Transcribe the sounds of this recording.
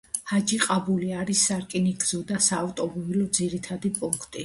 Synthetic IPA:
had͡ʒiqʼabuliaɾisːaɾkʼiniɡzɔd̪asaːft̪ʼɔmɔbilɔd̪ziɾit̪ʰad̪ipʼuŋkʰt̪ʼi

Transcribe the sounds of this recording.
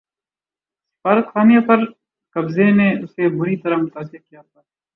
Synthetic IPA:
sɪ̥faːɾət̪xaːmjapɐɾ | kɐbzeneːʊseːbʊɾit̪ɐɾamʊt̪aːsɪɾkijaːt̪ʰaː

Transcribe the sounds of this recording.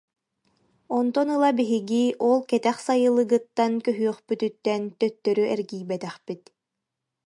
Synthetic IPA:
ɔnt̪ɔnɯlˠabiɦiɡiʔɔlˠkɛt̪ɛχsajɯlˠɯɡɯt̪ːankœɦyœχpyt̪yt̪ːɛnt̪œt̪ːœɾyʔɛɾɡiːjbɛt̪ɛχpit̪

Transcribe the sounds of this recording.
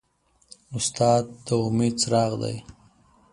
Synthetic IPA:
ʊst̪ɑːd̪ːəʊmed̪̚t͡sɾɑɣd̪a̰j

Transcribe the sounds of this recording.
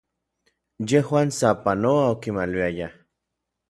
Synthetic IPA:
jehwaːnsapanoaokimaliaja

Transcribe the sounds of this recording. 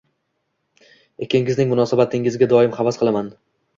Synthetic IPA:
ekʲeŋɪznɪŋmʊnɒːsabat̪ʰɪŋɪzɡʲad̪ɒɪmχɑvɒsqʰɨlˠaman

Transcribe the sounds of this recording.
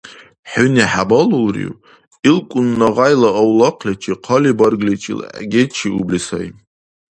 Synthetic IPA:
ħʊniħabalulrḭw | ilkʷʼʊnːaʁajlaːwlaqʰlʲet͡ʃʰiqʰalibarɡlʲit͡ʃʰʼḭl̰ɡʲet͡ʃʰiublisa̰j

